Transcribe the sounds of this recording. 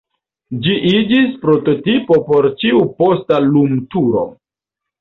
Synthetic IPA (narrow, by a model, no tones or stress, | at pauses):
d͡ʒiʔid͡ʒispɾo̞to̞tipo̞po̞ɾt͡ʃiupo̞stalumtuɾo̞̰